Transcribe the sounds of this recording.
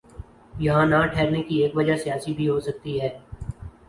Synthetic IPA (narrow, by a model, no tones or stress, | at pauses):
jɐɦãnaʈʰɛːɾnekieːkʋɐd͡ʒasijaːsibʱiɦosɐk̚t̪iɦɛː